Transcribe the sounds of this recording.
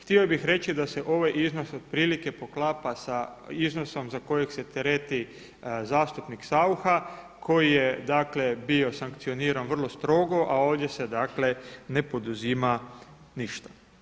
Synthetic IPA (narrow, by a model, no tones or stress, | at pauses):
xt̪iobixɾe̞t͡ʃid̪ase̞ʔo̞ʋajʔizno̞sod̪̥̚pɾiːlike̞po̞klaːpasaizno̞so̞mzako̞jekse̞t̪eɾet̪i | zaːst̪upniksauxa | kʰo̞jijed̪aːkle̞bio̞saŋkt̪sio̞niːɾanʋr̩lˠo̞st̪ɾo̞ɡo̞ʔao̞ːʋd̪je̞se̞d̪akle̞ne̞po̞d̪uziːma | niʃt̪ḁ